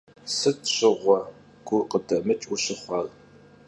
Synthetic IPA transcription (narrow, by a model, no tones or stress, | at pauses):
sɨtʰɕɪʁʷɔ | ɡ̥ʷʊqədɐmɨt͡ʃʼʊɕɪχʷɑːl